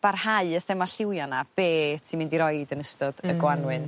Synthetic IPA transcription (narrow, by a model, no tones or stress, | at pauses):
b̥arhaɨəθɛmaɬɪwjɔnab̥eːtʰimɪndiɾɔjdənəstɔd̥əɡwanwɨn